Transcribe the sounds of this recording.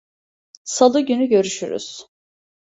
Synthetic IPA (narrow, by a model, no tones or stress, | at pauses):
salˠɯɟynyɟø̞ɾyʃy̰ɾy̰z̥